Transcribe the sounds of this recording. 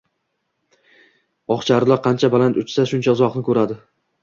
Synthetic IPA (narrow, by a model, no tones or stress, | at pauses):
ɒχt͡ʃʰaɾlˠɒqʰɑnt͡ʃʰabalant̪ʊt͡ʃsaʃʊnt͡ʃʰaʊzɒqnɪkʰɵɾad̪ɪ